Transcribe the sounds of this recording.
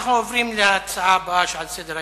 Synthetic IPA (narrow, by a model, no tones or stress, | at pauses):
χovɾimlat͡sabaʃalsɛd̪ɾa